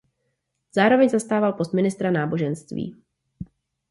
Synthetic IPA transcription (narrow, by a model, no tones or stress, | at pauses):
z̥aːɾo̞vɛɲzast̪aːvalpo̞st̪mɪnɪst̪ɾanaːbo̞ʒɛnst̪vḭː